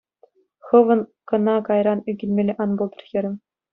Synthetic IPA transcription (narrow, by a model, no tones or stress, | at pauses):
xɤ̆ʋɤ̆nkɤ̆nɑkɑjɾɑnyɡʲĭlʲmʲelʲeʔɑnbolˠd̪ɤ̆rxʲɤ̆ɾʲɘ̆mʲ